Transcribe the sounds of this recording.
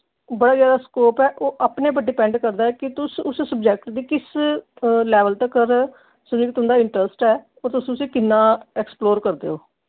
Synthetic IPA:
bəɽaːzjaːd̪aːskoːpɛːʔoːʔapneːbəɖɪːpɛ̃ːɳɖkəɾd̪aːɛːkɪt̪ʊsʊssəb̚d͡ʒɛːk̚ʈd̪iːkɪs | lɛːʋəlt̪əkəɾ | səmd͡ʒɪkt̪ɦʊ̃nd̪aːɪɳʈɾəsʈɛː | ɔːɾt̪ʊsĩt̪ʊsĩːkɪnːãːɛksploːɾkəɾd̪ḛːoː

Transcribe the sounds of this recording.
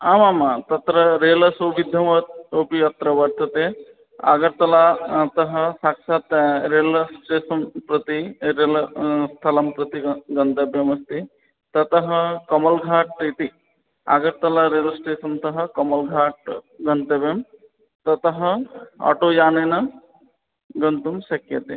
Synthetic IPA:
aːmaːmat̪ɐt̪ɾɐɾeːlɐsoːʋid̪ʱɐmɐt̪opijɐt̪ɾɐʋɐɾt̪ɐt̪eː | a̰ːɡɐɾt̪ɐlat̪ɐɦɐ̆saːkʂaːt̪ɾeːlsʈeːsɐmpɾɐt̪iɾeːlst̪ʰɐlɐmpɾɐt̪iɡɐnd̪ɐbjɐmɐst̪i | t̪ɐt̪ɐɦɐ̆kɐmɐlɡʱaːʈ̚t̪et̪i | a̰ːɡɐɾt̪ɐlaɾeːlsʈeːsɐnt̪ɐɦɐ̆kɐmɐlɡʱaːʈ̚ɡɐnt̪ɐbjɐm | t̪ɐt̪ɐɦɐ̆a̰ʈoːjaːnenɐ | ɡɐnt̪umʃɐkjɐt̪e

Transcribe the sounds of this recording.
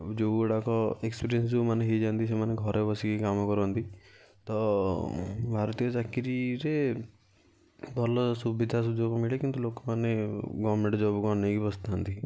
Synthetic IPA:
d͡ʒoɽakɔekspiɾijənsd͡ʒumaneɦid͡ʒant̪isemaneɡʱɔɾebɔsikikamɔkɔɾɔnt̪i | t̪ɔ | bʱaɾɔt̪ijɔd͡ʒakiɾiɾe | bʱɔlɔsubid̪ʱasud͡ʒoɡmiɭekint̪ulokɔmaneɡɔʋɾmẽɳʈd͡ʒɔbɔɡɔnekibɔst̪ʰant̪i

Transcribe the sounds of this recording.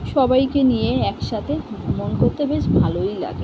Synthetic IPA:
ʃɔbajkenijeɛkʃat̪ʰemonkoɾt̪ːebeʃbʱalojla̰ɡe

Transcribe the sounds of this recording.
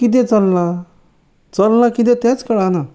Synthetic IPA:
kit̪̬ẽt͡səlːa | t͡səlːakit̪̬ɛ̃t̪ãt͡skəɽana

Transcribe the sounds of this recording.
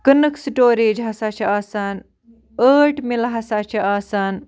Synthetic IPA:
kənɨksʈoːɾeːd͡ʒɦɐsaːt͡ʃʰɐaːsaːn | əːʈmilɦɐsaːt͡ʃʰɐaːsaːn

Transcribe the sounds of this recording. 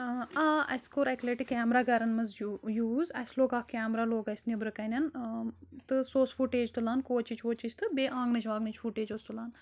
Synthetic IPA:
aːɐskoːɾɐkleʈikːaːmɾaːɡɐɾɐnmɐzjuːzɐsloːɡaːkʲaːmɾaloːɡɐsnibɾɨkɐnʲɐn | t̪ɨsoːsfuʈeːd͡ʒt̪ulaːnkoːt͡ʃit͡ʃʰoːt͡ʃit͡ʃʰʲt̪ɨbʲeːʔãːŋɡnɨt͡ʃʰʋaːɡnɐt͡ʃʰfuʈeːd͡ʒoːst̪ulaːn

